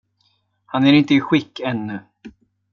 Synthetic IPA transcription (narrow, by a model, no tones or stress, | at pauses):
hanɛɾɪnt̪əiɧɪkːɛnːʏ